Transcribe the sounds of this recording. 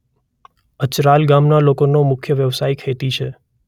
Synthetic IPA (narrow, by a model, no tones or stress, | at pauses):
ət͡ʃɾalɡamnalokonomʊkʰjəʋjəʋsajkʰet̪it͡ʃʰe